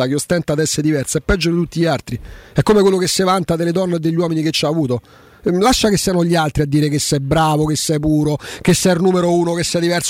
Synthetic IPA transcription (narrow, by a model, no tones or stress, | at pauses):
akeost̪ɛnt̪ad̪ɛsːeɾed̪ivɛrsɛpːɛd͡ʒːod̪it̪ut̪ːiʎialt̪ɾiɛkːomekwelːokesːevant̪ad̪eled̪ɔnːed̪ːeʎːwɔːminiket͡ʃːaːvuːt̪o | laʃːakesːianoʎialt̪ɾiad̪ːiːɾekesːɛbːɾaːvokesːɛpuːɾokesːɛrnuːmeɾouːnokesːɛd̪ivɛrs